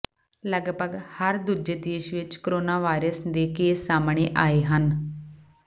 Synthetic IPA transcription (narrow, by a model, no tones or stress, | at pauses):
ləɡpəɡhəɾd̪uːd͡ʒeːd̪eːʃʋɪt͡ʃkoɾoːnaːʋaːiɾəsd̪eːkeːsaːmɳeːʔaːeːɦən